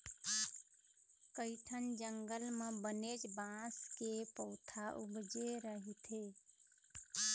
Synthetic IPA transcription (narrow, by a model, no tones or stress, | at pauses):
kəɪʈʰənd͡ʒəŋɡəlmebəned͡ʒbãskepəʊt̪ʰaʔuɡd͡ʒeɾəɦit̪ʰe